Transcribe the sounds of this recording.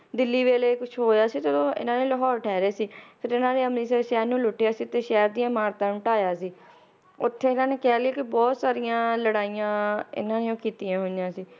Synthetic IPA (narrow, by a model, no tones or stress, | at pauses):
d̪ɪlːiːʋeːleːkʊt͡ʃʰɦoːjaːsiːt̪edõːɪ̰nãːneːləɦɔːɾʈʰɛːɾeːsiːpʰɪɾɪnãːɾeːəmniːseʃɛːɾnũːlʊʈːɪjaːsiːt̪eːʃɛːɾd̪ɪjãːmaːɾt̪ãːnũːʈaːjaːsiː | ʊt̪ʰːeːɪnãːneːkɛːlɪaːkɪbɔːt̪saːɾijãːləɽaːijãːɪ̰nãːneːõːkiːt̪ijãːɦojãːsiː